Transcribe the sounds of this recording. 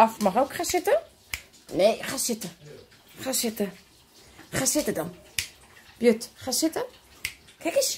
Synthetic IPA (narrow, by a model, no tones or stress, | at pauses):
ɔfmaxowkχaːsɪtə | neːχaːsɪtə | xaːsɪtə | χaːsɪtədɔn | b̥jøtχaːsɪtə | kʰɛkəs